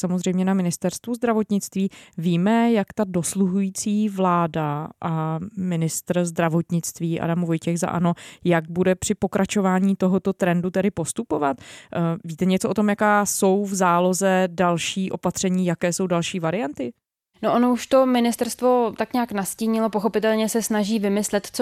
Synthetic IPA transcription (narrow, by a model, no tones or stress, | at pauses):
samozr̝ɛjmɲɛnamɪnɪst̪ɛɾst̪vuzd̪ɾavo̞t̪ɲɪt͡st̪viːviːmɛjakt̪ado̞sluɦujiːt͡siːvlaːdaʔamɪnɪst̪rzd̪ɾavo̞t̪ɲɪt͡st̪viːʔa̰damvo̞jcɛxza̰ʔa̰no̞jaɡ̚budɛpr̥ɪpo̞kɾʔat͡ʃo̞vaːɲiːt̪o̞ɦot̪o̞t̪ɾɛndut̪ɛdɪpo̞st̪upo̞vat̪viːt̪ɛɲɛt͡soʔot̪o̞mjakaːso̞wvzaːlo̞zɛdalʃiːʔo̞pat̪r̝̥ɛɲiːjakɛːso̞wdalʃiːvaɾɪjant̪ɪ | noʔonouʃt̪o̞mɪnɪst̪ɛɾst̪vo̞t̪akɲaːknasciːɲɪlopoxo̞pɪt̪ɛlɲɛsɛsnaʒiːvɪmɪslɛt̪t͡s